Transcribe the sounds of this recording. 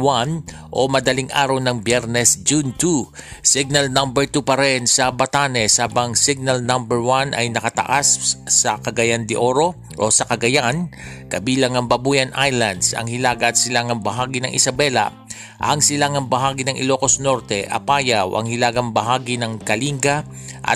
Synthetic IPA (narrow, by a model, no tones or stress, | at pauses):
wan | ʔomɐd̪ɐliŋʔaːɾɐwnɐŋbjɛɾnɛsd͡ʒunt̪usɪɡ̚nɐlnɐmbɛɹt̪upɐɾɛnsɐbɐt̪aːnɛshaːbɐŋsɪɡ̚nɐlnɐmbɛɹwanʔɐjnɐkɐt̪ɐ̰ʔasːɐkɐɡɐjand̪ɪʔo̞ɾo̞ | ʔosɐkɐɡɐjan | kɐbiːlɐŋɐŋbɐbuːjɐnʔajlɐnd̪sɐ̰ŋhɪlaːɡɐʔːt̪sɪlaŋɐŋbɐɦaːɡɪnɐŋʔɪ̰sɐbɛla̰ | ʔɐŋsɪlaŋɐŋbɐɦaːɡɪnɐŋʔɪ̰lo̞ːko̞sno̞ɾt̪ɛʔɐ̰paːjawʔɐ̰ŋhɪlaːɡɐŋbɐɦaːɡinɐŋkɐliŋɡaʔɐ̰